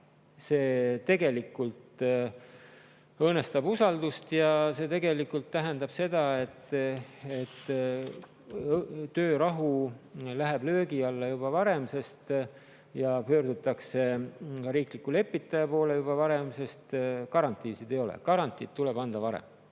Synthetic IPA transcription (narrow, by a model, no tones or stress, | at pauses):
se̞ːt̪e̞ɡe̞likːult̪ | ɤːne̞st̪ɑbusɑld̪ust̪jɑse̞t̪e̞ɡe̞likːult̪ːæɦend̪ɑb̥se̞d̪̥ɑe̞t̪ːˑ | et̪ːˑ | t̪ːø̞ːɾɑɦulæɦeb̥lø̞ːɡiɑlːɑjubɑvɑɾe̞mse̞st̪ | jɑpø̞ːɾd̪̥ut̪ːˑɑkse̞kɑɾiːklikːˑule̞pːˑit̪ːˑɑjɑpo̞ːlejubɑvɑɾe̞mse̞st̪kɑɾɑnt̪ːˑiːsid̪̥e̞jo̞lḛkɑɾɑnt̪ˑid̪̥̚t̪ule̞b̥ɑnd̪̥ɑvɑɾḛm